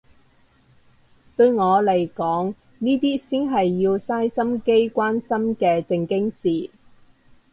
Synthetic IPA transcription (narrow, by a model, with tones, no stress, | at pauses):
t̪ɵ˧ɥŋɔː˨˧le˨˩jkɔː˨˥ŋ | niː˥t̪iː˥siː˥nɦɐ˨jːiː˧wsaː˥jsɐ˥mke˥jkʷaː˥nsɐ˥mkɛː˧t͡sɪ˧ŋkɪ˥ŋsiː˨